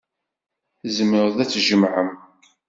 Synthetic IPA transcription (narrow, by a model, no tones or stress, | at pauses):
zməɾðæt͡sːʒəmʕəm